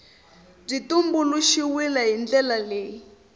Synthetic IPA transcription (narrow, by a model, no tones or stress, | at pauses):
b͡ʐitumbuluʃiwilaɦind͡ɮɛlaleː